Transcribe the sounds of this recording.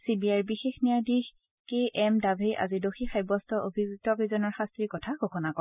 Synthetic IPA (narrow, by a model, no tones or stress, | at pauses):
sibiajbixexnijadix | keʔɛmdabʱejʔa̰zidoxixajbɔstɔʔobʱiɡuk̚tɔpezɔnɔɹxastɹikɔtʰaɡʱokʰɔnakɔ